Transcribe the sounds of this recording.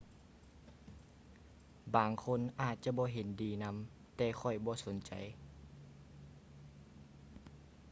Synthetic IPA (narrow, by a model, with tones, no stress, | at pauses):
baː˨ŋkʰo˧˥˨nʔaː˧˨˩t̪̚t͡ɕa˧˦bɔː˧˦ɦe˨˦ndiː˨˩na˧˥m | t̪ɛː˧˦xʰɔ˧˩jbɔː˧˦so˨˦nt͡ɕa̰˨˩j